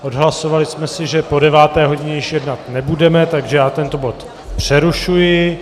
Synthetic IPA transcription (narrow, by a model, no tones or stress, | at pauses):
ʔo̞dɦlaso̞valɪsmɛsɪʒɛpo̞dɛvaːt̪ɛːɦo̞ɟɪɲɛjɪʃjɛdnat̪nɛbudɛmɛt̪aɡʒɛjaːt̪ɛnt̪obo̞t̪ | pr̝̥ɛɾuʃujɪ